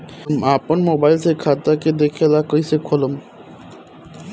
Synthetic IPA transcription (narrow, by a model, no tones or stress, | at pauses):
maponmobajlsekʰat̪ːaked̪ekʰelakojsekʰolom